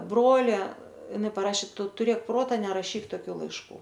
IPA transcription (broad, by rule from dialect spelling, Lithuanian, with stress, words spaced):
ˈbroːlʲɛ ɪˈnɐɪ pɐˈrɑːʃʲeː ˈtʊ tʊˈrʲeːk ˈproːtɐ nʲɛrɐˈʃʲiːk toːˈkʲuː lˠɐɪʃˈkuː